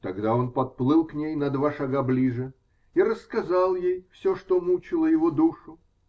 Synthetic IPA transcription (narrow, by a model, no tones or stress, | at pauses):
t̪ɐɡd̪ao̞npɐt̪̚plˠɨlˠknʲejnɐd̪vaʂɐɡablʲiʐɨ | iɾəskɐzalˠjejfsʲoʂt̪omut͡ɕɪlˠəjɪvod̪uʂʊ